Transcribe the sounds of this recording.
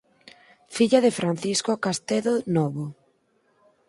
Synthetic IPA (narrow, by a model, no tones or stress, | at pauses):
fiʎaðefɾan̟θiskokast̪eðonɔβo